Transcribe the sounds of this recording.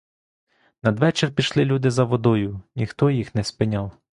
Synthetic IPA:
nɐd̪ʋɛt͡ʃerpʲiʃlˠɪlʲud̪ɪzɐʋɔd̪ɔjʊnʲixt̪ɔjixnɛspɪnʲawˠ

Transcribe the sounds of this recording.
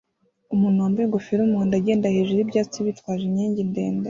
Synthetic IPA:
umumaːmbojeɡofiɾumundaɟeːndaheʒeɾibɟaːt͡siβitkwaːʒimɲiːɲɟindḛːnda

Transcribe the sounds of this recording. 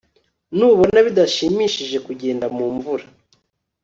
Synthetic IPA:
nuːβo̞naβidaʃiːmiʃiʒe̞kuɟe̞ːndamuːɱvuɾa

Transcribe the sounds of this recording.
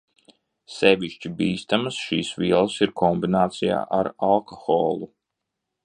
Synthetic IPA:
sɛvʲiʃt͡ʃibiːst̪amasʃiːsviɛlˠsiɾkʰɔmbinaːt̪sija̰ːʔaɾalˠkɔxɔːlˠu

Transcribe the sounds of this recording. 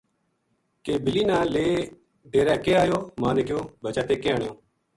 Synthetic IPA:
keːbɪliːnãːleː | ɖeːɾɛ̃ːkeːaːjoːmaːneːkjoːbət͡ʃaːt̪eːkeːəɳɪjõː

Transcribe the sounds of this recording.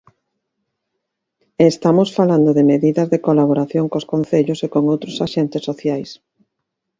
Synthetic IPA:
est̪amosfaland̪oðemeðiðɐzðekolaβoɾaθjoŋkoskon̟θeʎʊsekoŋowt̪ɾosaʃent̪ɪsːoθjajs

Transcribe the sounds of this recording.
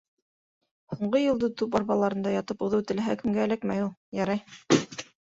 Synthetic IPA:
huɴɢɤjɤ̆lˠd̪ɤt̪upɑɾβbɑlˠɑɾɤ̆nd̪ɑjɑt̪ɤpuðɤwt̪ɘ̆læɦækɘ̆mɡæːlækmæjulˠjɑɾɑj

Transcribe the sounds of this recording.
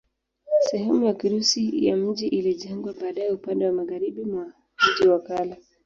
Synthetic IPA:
sɛhɛmujakiɾusija̰m̩ʄiʔiliʄɛŋɡwaɓaːɗajɛupandɛwamaɣaɾiɓimwa | m̩ʄiwakala

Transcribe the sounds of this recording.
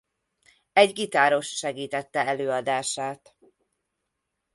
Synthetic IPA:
ɛɟɡit̪aːɾo̞ʃʃɛɡiːt̪ɛt̪ːɛɛløːɒd̪aːʃaːt̪

